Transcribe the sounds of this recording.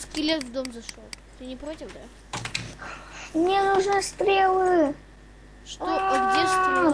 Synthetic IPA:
skʲilʲet̪vd̪omzɐʂolˠ | t̪ɨnʲɪpɾotʲɪfd̪a | mnʲenuʐnɨst̪ɾʲelˠɨ | ʂt̪oɐɡdʲeʂt̪

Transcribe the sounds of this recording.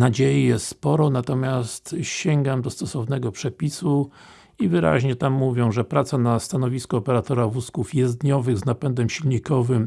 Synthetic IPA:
nad͡ʑejijɛst̪spɔɾɔnat̪ɔmʲjast̪ɕɛŋɡamd̪ɔst̪ɔsɔvnɛɡɔpʂɛpʲisu | ivɘɾa̰ʑɲɛt̪amːuvʲjɔ̃w̃ʐɛpɾat̪sanast̪anɔvʲiskɔːpɛɾat̪ɔɾavuskufjɛzd̪ɲɔvɘɣznapɛnd̪ɛmɕilɲikɔvɘm

